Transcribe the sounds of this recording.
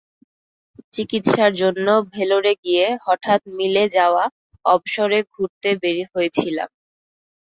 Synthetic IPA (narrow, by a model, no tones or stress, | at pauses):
t͡ɕikit̪ʃaɾd͡ʑonːobʱeloɾeɡijehɔʈʰat̪̚miled͡ʑaoa | ɔbʃoɾeɡʱuɾt̪ebeɾiɦojet͡ɕʰila̰m